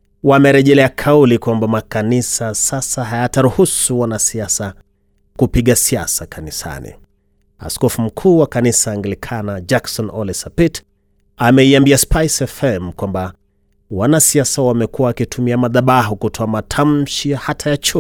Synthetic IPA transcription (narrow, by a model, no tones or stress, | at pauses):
wamɛɾɛʄɛlɛakʰaulikwambamakanisasasaɦajataɾuhusuwanasiasa | kupiɠasiasakanisa̰nḭ | a̰skɔfum̩kʰuːwakanisaːŋɡlikʰanad͡ʒaksɔnɔlɛsapit | amɛiambiaspajsɛfɛm̩kwamba | wanasiasawamɛkuawakitʰumiamaðaɓaɦukutʰɔamatʰam̩ʃijahatʰajat͡ʃu